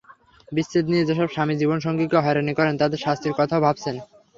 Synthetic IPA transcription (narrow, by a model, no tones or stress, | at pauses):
bisːet̪nied͡ʑeʃɔbʃamid͡ʑibonʃɔŋɡikeɦɔeɾanikɔɾent̪ad̪eɾʃast̪ʰɾiɾkɔt̪ʰaobʱab̚t͡ɕʰen